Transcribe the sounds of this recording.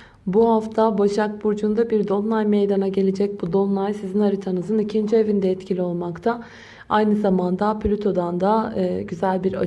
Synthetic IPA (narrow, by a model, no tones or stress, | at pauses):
buhaft̪ʰabaʃak̚buɾd͡ʒund̪abiɾd̪onlˠajmejd̪anaɟe̞lʲe̞d͡ʒɛc̚bud̪o̞nlˠajsizinhaɾit̪ʰanɯzɯnicʰind͡ʒievind̪ɛɛt̪cʰilʲio̞lˠmakt̪ʰa | ajnɯzamand̪apʰlʲyt̪ʰo̞d̪and̪aːɟyzælʲbiɾa